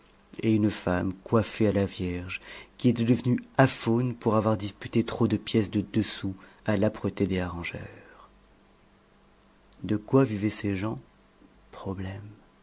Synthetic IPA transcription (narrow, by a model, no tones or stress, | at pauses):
eynfamkwafealavjɛʁʒkʲiet̪ɛd̪əvənyafonpuʁavwaʁd̪ispyt̪et̪χod̪əpjɛsd̪əd̪əsualapχət̪ed̪eaʁɑ̃ʒœʁ | d̪əkwavivɛseʒɑ̃ | pχɔblɛm